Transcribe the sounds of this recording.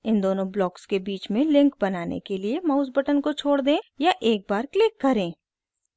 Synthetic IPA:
ɪ̃nd̪oːnõblɔːkskebiːt͡ʃmẽlɪ̃ŋkbɐnaːnḛkeliemaːʊzbəʈənkot͡ʃʰoːɽd̪ẽːjaʔeːk̚baːɾklɪkːɐɾẽː

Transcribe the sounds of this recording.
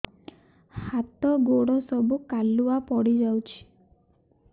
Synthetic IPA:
hat̪ɔɡoɽɔsɔbukaluapɔɽid͡ʒawt͡ʃʰi̥

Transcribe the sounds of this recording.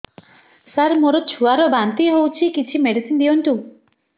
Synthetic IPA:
saɾmoɾɔt͡ʃʰuaɾɔbant̪iɦewt͡ʃʰikit͡ʃʰimeɽisind̪iɔnʈ̪u

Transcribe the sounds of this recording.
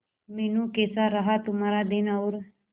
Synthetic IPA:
meːnũːkeːsaɾəɦat̪ʊmaːɾaːd̪ɪnaʊɾ

